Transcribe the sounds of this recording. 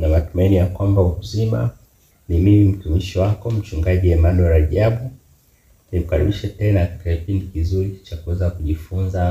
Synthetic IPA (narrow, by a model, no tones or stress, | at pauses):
namatumainijakwambauuzima̰ | nimimim̩tumiʃiwakɔm̩t͡ʃuŋɡaʄiɛmanɔɾaʄaɓu | nim̩kaɾḭɓiʃɛtɛnakkatikakipindikizuɾit͡ʃakuwɛzakuʄifunza